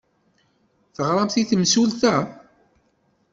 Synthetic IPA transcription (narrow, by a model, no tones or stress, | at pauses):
θəʁɾˤɑmθiθəmsulθæ